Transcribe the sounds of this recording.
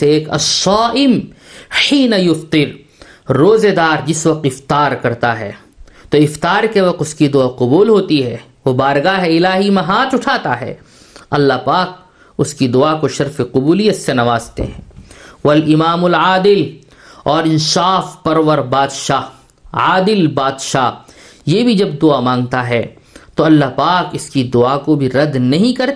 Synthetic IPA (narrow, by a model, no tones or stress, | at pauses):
eeːkɐ̰sːaːʔɪmħiːnɐjʊft̪ɪɾː | oːzed̪aːɾd͡ʒɪsʋɐq̚t̪ɪft̪aːɾkɐɾt̪aɦɛ̰ː | t̪oːɪft̪aːɾkeʋɐq̚t̪ʊskid̪ʊaqʊbuːlɦoːt̪iɦɛː | ʋobaːɾɡaɦɛɪlaːɦimɐɦaːt͡ʃʊʈʰaːt̪a̰ɦɛ̰ː | ɐlːaɦpaːk̚ | ʊskid̪ʊakoʃɐɾfeqʊbuːlijɐt̪senɐʋaːzt̪ḛɦɛ̃ːʋɐlɪmaːmʊlaːd̪ɪl | ɔːɾɪ̃nsaːfpɐɾʋəɾbaːd̪ʃaː | aːd̪ɪlbaːd̪ʃaːjeːbʱid͡ʒɐb̚d̪ʊamãːŋɡt̪aɦɛː | t̪oɐlːaɦpaːkɪskid̪ʊakobʱiɾɐd̪nɐɦĩkɐɾ